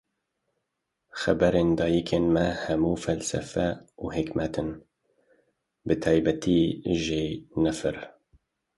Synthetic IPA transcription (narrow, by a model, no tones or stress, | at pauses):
xɛbɛɾeːnd̪ɑːjikʰeːnmɛhɛmuːfɛlsɛ̰fɛuːhikmɛt̪ʰɨn | bɨt̪ʰɑːjbɛt̪ʰiʒeːnɛfɨɾ